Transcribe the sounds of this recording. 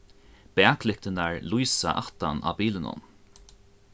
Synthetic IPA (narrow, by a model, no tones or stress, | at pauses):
b̥ɛːkʰlɪk̚t̪ɪnaɹlujsa̰ʔaht̪a̰nʔa̰ːbiːlɪnʊ̰n